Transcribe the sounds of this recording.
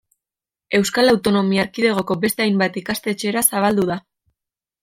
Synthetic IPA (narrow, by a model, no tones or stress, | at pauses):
e̞wskalawt̪o̞no̞miaːɾkið̞e̞ɣ̞o̞ko̞be̞st̪e̞ajmbat̪ikast̪e̞ːt͡ʃe̞ɾasaβ̞ald̪uða